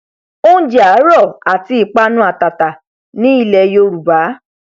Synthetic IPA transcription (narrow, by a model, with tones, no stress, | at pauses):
o˦d͡ʒa˨˦ɾɔ˦˨a˨ti˧˦i˨k͡pa˦nũ˦a˦˨ta˨ta˨ | nĩ˦i˦˨lɛ˧jo˧ɾu˨ba˨˦